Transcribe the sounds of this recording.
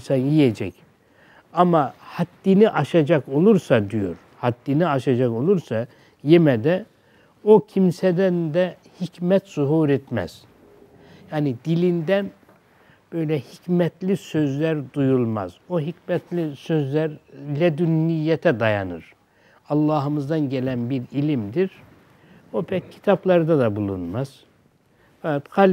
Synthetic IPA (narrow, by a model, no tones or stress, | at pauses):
sanjijed͡ʒɛc | amahat̪ːiniʔaʃad͡ʒako̞lˠuɾsad̪ijo̞̰ɾ | hat̪ːiniaʃad͡ʒako̞lˠuɾsa | jemɛd̪ɛ | ocʰimsɛd̪ænd̪ɛhicmɛt̪z̥uɦuːɾɛt̪mɛ̰z̥ | jaːnid̪ilʲind̪æn | b̥ø̞jlʲɛhicmɛt̪lʲisøzlʲæɾd̪ujulˠma̰z̥oɦicmɛt̪ʰlʲisøzlʲæɾlʲɛd̪ynːijːɛt̪ʰɛd̪aja̰nɯ̰ɾ | ɑlˠːɑːɦɯmɯzd̪ɑnɟelʲænbiɾilʲimd̪iɾ | opʰɛc̚cʰːi̥t̪ʰɑplˠɑɾɯd̪ad̪abulˠṵnmaz̥ | fakɑt̪hʰal